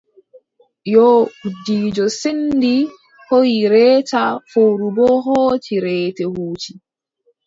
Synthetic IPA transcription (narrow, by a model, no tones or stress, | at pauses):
jɔudiːd͡ʒɔsendi | hojiɾɛːtafowɾubɔɦɔːt͡ʃiɾɛːtɛhuːt͡ʃi